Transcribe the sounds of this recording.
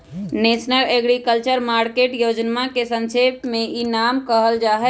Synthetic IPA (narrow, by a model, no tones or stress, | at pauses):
nesnəleɡɾikəlt͡ʃəɾmaɾkeʈjod͡ʒnmakesə̃nsepmeinamkəɦəld͡ʒaɦɛ